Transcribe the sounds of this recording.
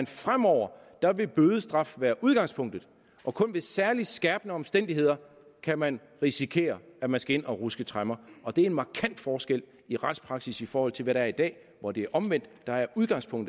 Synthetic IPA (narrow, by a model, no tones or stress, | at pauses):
nfʁam̰ɒʊ̰ɐ | d̥ɑ̈ʋe̝b̥øːð̞ˠəsd̥ʁɑ̈fʋæːɐʔuð̞ˠɡ̥ɑ̈ŋ̰spʰɔ̽ŋ̰d̥ð̩ˠ | ʔɒ̽kʰɔ̽nʋe̝sæɐlisɡ̥ɛːb̥nəɒ̽msd̥en̰d̥iɦe̝ð̞̰ˠɐ | kʰæmæn | ʁisikʰe̝̰ːɐæmænsɡ̥æe̝n̰ɒ̽ʁusɡ̥ət͡sʰʁamɐɒ̽d̥e̝æɐe̝nmɑ̈ːkʰæn̰d̥fɒːsɡ̥el̰ | iʁɑ̈d̥spʰʁɑ̈ɡ̥sisifɒːhɒ̽l̰t͡sʰe̝lʋæɾɑæɐid̥ɛ̰ː | ʋɒde̝æɐʔɒ̽mʋen̰d̥ːɑ̈æɐʔuð̞ˠɡ̥ɑ̈ŋ̰spʰɔ̽ŋ̰d̥ð̩ˠ